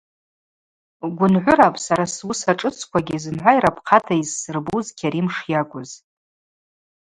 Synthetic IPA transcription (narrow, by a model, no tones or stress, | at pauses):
ɡʷʊnʕʷʊɾapʼsaɾaswusaʈ͡ʂʼɨt͡sʰkʷʰaɡʲizɨnħʷajɾapʰqʰatʰajzsɨrbuzkʲʰaɾimʂjaɡʷʼʊz